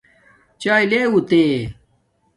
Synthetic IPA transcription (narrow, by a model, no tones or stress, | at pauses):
t͡ɕaːileut̪e